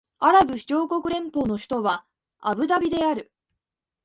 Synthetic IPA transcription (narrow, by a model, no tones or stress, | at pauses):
aɾabɯ̟çi̥t͡ɕo̞ːko̞kɯ̟ɾẽ̞mpo̞ːno̞ɕçi̥t̪o̞βa | a̰bɯ̟d̪abʲid̪e̞aɾɯ̟